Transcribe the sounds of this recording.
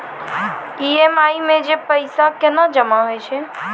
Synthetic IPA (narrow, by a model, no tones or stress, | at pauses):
iemaimẽd͡ʒepəɪsakenad͡ʒəmaɦojt͡ʃʰɛ